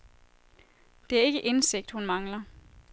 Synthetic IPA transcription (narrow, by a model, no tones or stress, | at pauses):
d̥e̝æɐe̝ɡ̥əʔe̝nse̝ɡ̥̚d̥hunmɑ̈ŋlɐ